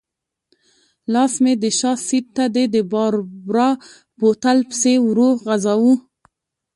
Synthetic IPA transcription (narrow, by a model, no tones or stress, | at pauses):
lɑsmed̪əʃɑsiɾ̚t̪ad̪ed̪əbɑɾbɾɑ | bot̪alpsewɾoɣazawu